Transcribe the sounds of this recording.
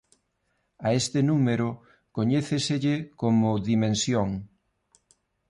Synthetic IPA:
aest̪ɪnumeɾʊ | koɲeθeseʎɪkomʊðimẽnsjoŋ

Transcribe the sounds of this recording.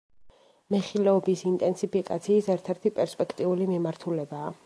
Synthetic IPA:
mɛχilɛɔbisint̪ʼɛnsipʰikʼat̪sʰiːsɛɾt̪ʰɛɾt̪ʰipʼɛɾspʼɛkʰt̪ʼiulimimaɾt̪ʰulɛbaː

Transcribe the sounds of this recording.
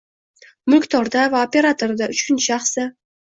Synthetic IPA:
mʊlkʲt̪ʰɒɾd̪avaope̞ɾat̪oɾd̪aʊt͡ʃkʰʲɪnʃaχsɪ

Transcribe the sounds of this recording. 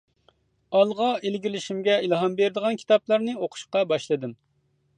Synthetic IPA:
ɑlˠʁɑelɡʲilɪʃimɡʲɛilˠɦɑmbeɾɪd̪əʁɑnkʲʰi̥t̪ʰɑplˠɑɾnɨoqʰʊ̥ʃqɑbɑʃlˠɨd̪ɨm

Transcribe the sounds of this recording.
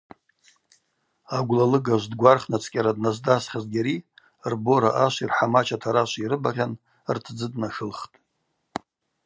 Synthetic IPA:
aɡʷlalɨɡaʒʷdɡʷarχnat͡sʰʼkʲʼaɾadnazdasχʲazɡʲaɾi | rbo̞ɾa̰ʔaʃʷirħamat͡ʃʰatʰaɾaʃʷiɾɨbaʁʲan | rtʰd͡zɨdnaʂɨlχtʼ

